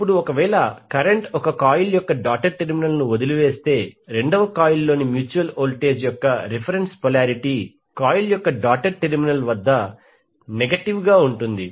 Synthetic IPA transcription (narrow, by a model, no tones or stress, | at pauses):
pːuɽuɔkɐʋɛːɭɐkɐɾeɳʈɔkɐkaːjuljɔkːɐɖaːk̚ʈɐɾʈeɾminɐlnuod̪iluʋe̞ːst̪e̞ːɾe̞ɳɖɐʋɐkaːjulːo̞ːnimjuːt͡ʃuʋɐloːlʈe̞ːd͡ʒjɔkːɐɾepʰɐɾenspɐlaːɾiʈiː | kaːjuljɔkːɐɖaːʈɐɾʈeɾminɐlʋɐd̪ːɐ | neɡɐʈiʋɡaːuɳʈund̪i